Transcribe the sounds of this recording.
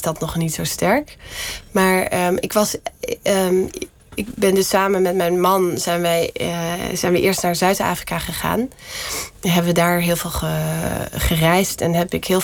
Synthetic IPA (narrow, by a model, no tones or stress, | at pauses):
dɑtnɔχnitsowstɛɹkmaːɹəmɪ̰kʋɑs | ɪkbɛndɵsaːmənmɛtmɛjnmɑnzɛjnʋɛj | z̥ɛjnʋəʔɪːɹstnaːɹzœɥta̰ːfrikaχəχa̰ːn | ɦɛbəʋədaːɹɦɪːlˠvɪːlˠə | χərɛjstɛnɦɛpɪkhɪl